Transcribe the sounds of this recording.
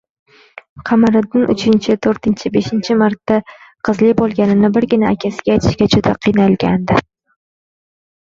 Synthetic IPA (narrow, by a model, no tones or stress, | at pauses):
qʰɑmaɾɪd̪ɪnʔʊt͡ʃʰɪnt͡ʃʰɪt̪ʰoɾt̪ɪnt͡ʃʰɪbe̞ʃɪnt͡ʃʰɪmaɾt̪ːaqʰɨzlɪbolˠɡʲanɪnɪbɪɾɡʲɪnaːkʲʰasɪɡʲaejt̪ʰɪ̥ʃkʲat͡ʃʰʊt̪ʰaqʰijnalɡʲand̪ɪ